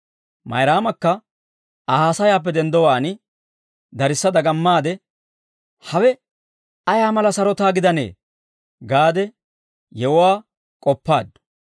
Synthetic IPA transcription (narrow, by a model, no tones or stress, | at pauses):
mɐ̰jɾaːmɐkːɐ | aːhaːsɐjaːp̬ːɛd̪ɛnd̪ɔwaːnɪ | d̪ɐɾɪsːɐd̪ɐɡɐmːaːd̪ɛ | hɐwɛ | ɐjaːmɐlɐsɐɾɔt̪aːɡɪd̪ɐnḛː | ɡaːd̪ɛ | jɛwʊwaː | kʼɔpːa̰ːd̪ʊ